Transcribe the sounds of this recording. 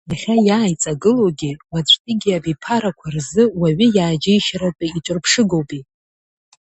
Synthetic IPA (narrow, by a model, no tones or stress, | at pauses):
jaχʲajaːjt͡sʼaɡɨlowɡʲiwat͡ɕʷʰʼtʼiɡʲiabipʰaɾakʷʰarzɨwaɥɪjaːd͡ʒejʃaɾawpʼiit͡ʃʷʼʊrpʰʂɨɡo̞wpʼi